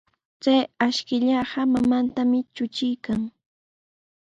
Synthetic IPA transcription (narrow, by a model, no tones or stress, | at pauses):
t͡sajaʃkɪʎaɢɑmamant̪amɪt͡ʃʊt͡ʃɪjkaŋ